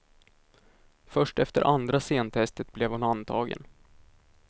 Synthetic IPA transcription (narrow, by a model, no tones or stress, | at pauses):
fœʂʈɛft̪əɾʔand̪ɾaseːnt̪ʰɛst̪ət̪̚blɛvhʊnant̪ʰɑːɡə̰n